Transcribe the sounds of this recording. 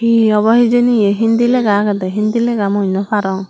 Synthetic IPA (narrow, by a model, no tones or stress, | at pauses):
hiɔbɔɦid͡ʒenijeɦind̪ilɛɡakad̪ɛɦind̪ilɛɡamunɔpʰaɾɔŋ